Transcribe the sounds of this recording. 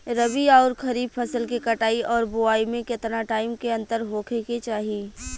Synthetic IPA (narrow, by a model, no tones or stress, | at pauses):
ɾəbiɔːɾkʰɐɾiːb̚pʰɐsəlkikɐʈaːiɔːɾbʊaːimẽkɪt̪naʈaːɪmkeɐ̃nt̪əɾɦoːkʰeket͡ʃaːɦi